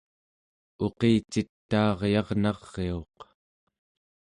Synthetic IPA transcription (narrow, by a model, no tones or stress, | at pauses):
o̞qeːt͡ʃit̪ːɑːʁjɑʁnɑʁːeo̞q